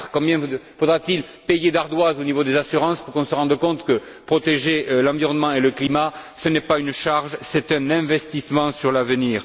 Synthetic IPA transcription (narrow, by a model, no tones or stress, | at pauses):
ə̥kɔ̃bjɛ̃fod̪ʁat̪il | pejed̪aʁd̪wazonivod̪ezasyʁɑ̃spuʁkɔ̃səʁɑ̃d̪ʁəkɔ̃t̪kə | pχɔt̪eʒelɑ̃viʁɔnəmɑ̃eləklima | sənɛpaynʃaʁʒsɛt̪ɛ̃nɛ̃vɛst̪ismɑ̃syʁlavəniːʁ